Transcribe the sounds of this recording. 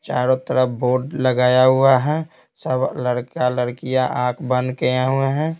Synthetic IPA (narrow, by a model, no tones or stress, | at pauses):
t͡ʃaːɾot̪əɾəboːɖləɡaːjaɦʊaɦɛ̃ː | səbʱləɾkaləɽkijaʔãːkʰbə̃nkejãɦʊeɦɛ̃